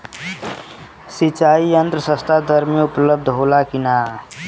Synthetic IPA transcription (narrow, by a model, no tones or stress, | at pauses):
sit͡ʃaijənt̪ɾəsəst̪ʰad̪ʱəɾmeupləb̚d̪ʱɦolakina